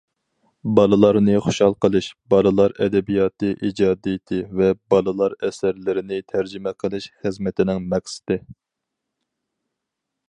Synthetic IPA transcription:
bɑlˠɨlˠɑɾnɨχo̥ʃhɑlˠqəlˠɨʃb̥ɑlˠɨlˠɑɾɛd̪ɛbijɑːt̪ɨʔid͡ʒɑːd̪ijɪt̪ʰɪvɛbɑlˠɨlˠɑɾɛsæɾlɪɾɪnɪt̪ʰæɾd͡ʒɪmɛqʰəlˠɨʃχəzmɪt̪ʰɪnɪŋmɛχsɪ̥d̪̥ɪ

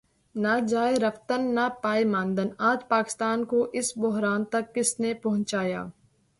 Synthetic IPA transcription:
nad͡ʒaːeɾɐft̪ənːapaːemãːnd̪ənaːd͡ʒpaːkɪ̥st̪aːnkoʔɪsbʊɦɾaːnt̪ɐkːɪsnepɐɦʊ̃ɲt͡ʃaːja̰ː

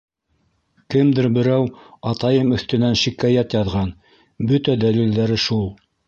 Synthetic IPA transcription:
kɘmd̪ɘɾbɘ̆ɾæwɑt̪ɑjɤmɵ̆θt̪ɵ̆nænʃikɑjæt̪jɑðʁɑn | bɵt̪æd̪ælild̪æɾɘʃulˠ

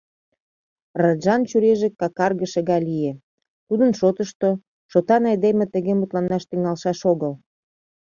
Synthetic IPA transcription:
rɑʒɑnt͡ɕyɾeʒĕkɑkɑrɣəʃĕɣɑlije | t̪ud̪ənʃot̪əʃt̪o | ʃot̪ɑnɑjd̪emĕt̪ə̆ɣemut̪lɑnːɑʃt̪iŋɑlʃɑʃoɣəl

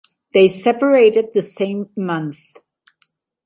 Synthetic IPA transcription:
ðeɪsɛpə˞eɪɾɨd̪̚ðɨsẽɪ̃mːʌ̃nθ

